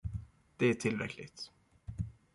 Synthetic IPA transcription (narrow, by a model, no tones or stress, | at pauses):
d̪̥ɛæʈʰɪlɾɛ̰kʰlɪ̰ɡt̪